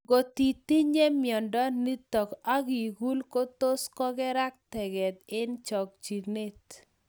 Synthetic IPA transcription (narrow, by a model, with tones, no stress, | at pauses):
ɡo˨t̪i˨t̪i˦ɲe˦mjɔ˨ndɔ˦ni˦t̪ɔ˨ka˦ɡi˨ɡu˦lko˦t̪o˦skɔ˦ɡɛ˦ɾa˦k̚t̪ɛ˨ɡɛ˨t̪ɪ˦nt͡ʃɔ˨k̚t͡ʃi˨ne˦t̪